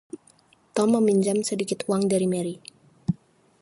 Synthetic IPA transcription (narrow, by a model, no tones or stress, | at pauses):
t̪ɔmːəmiɲd͡ʒamsədikɪt̪uaŋdaɾimɛɾi